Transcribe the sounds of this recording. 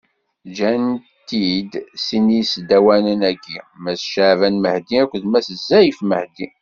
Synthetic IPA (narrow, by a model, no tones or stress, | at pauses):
d͡ʒænt̪ːid̪sinisd̪æwænənæɡimæsʃʕvænməhd̪iækʷːðmæsəzːæjifməhd̪i